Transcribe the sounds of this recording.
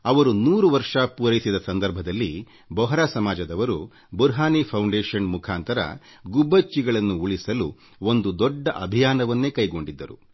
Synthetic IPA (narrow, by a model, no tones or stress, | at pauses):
ɐʋɐɾunuːɾuʋɐɾʂɐpuːɾɐjisid̪ɐsɐnd̪ɐɾbʱɐd̪ɐlːi | bɔɦɐɾaːsɐmaːd͡ʒɐd̪ɐʋɐɾu | buɾɦaːnipʰɐwɳɖeːʂɐnmukʰaːnt̪ɐɾɐ̰ | ɡubːɐt͡ʃːiɡɐɭɐnːuuɭisɐlu | o̞nd̪ud̪ɔɖːɐʔɐbʱijaːnɐʋɐnːe̞kɐjɡo̞ɳɖid̪ːɐɾṵ